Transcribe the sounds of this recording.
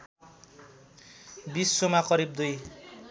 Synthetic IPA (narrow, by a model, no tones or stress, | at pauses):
bisːomakʌɾib̚d̪uj